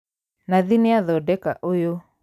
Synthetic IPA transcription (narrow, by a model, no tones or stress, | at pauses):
naðineaðɔdɛkaʔojo